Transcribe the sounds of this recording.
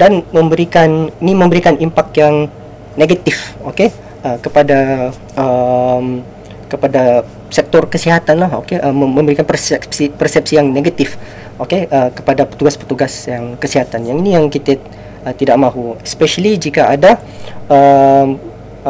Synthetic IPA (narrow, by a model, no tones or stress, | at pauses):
danmə̃mbəɾikaninimə̃mbəɾikanimpak̚t̪jaŋ | neɡat̪ifoke | əkəpada | əm | kəpada | sɛk̚t̪ɔrkəsiɦat̪anlaho̰keʔəmmə̃mbəɾikanpərsɛpsipərsɛp̚sijaŋneɡat̪if | okeʔəkəpadapət̪uɡaspərt̪uɡasjaŋkəsiɦat̪anjaŋinijaŋkit̪e | ət̪idaʔmãɦuɛspɛʃəlid͡ʒikaada | əm